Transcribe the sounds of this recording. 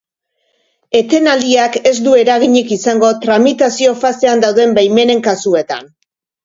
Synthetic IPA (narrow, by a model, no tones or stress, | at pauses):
e̞t̪e̞nald̪iake̞zd̪ue̞ɾaɣ̞iɲikisaŋɡo̞t̪ɾamit̪asio̞fase̞and̪awðe̞mbajme̞ne̞ŋkasue̞t̪a̰n